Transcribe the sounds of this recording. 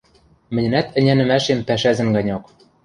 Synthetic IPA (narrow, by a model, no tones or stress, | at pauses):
mɘ̆nʲɘ̆næt̪ɘ̆nʲænɘ̆mæʃempæʃæzɘ̆nɡɑnʲok